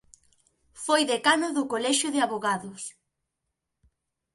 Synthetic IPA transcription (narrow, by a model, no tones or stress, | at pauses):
fojðekanʊðʊkolɛʃʊðɪaβoɣaðʊs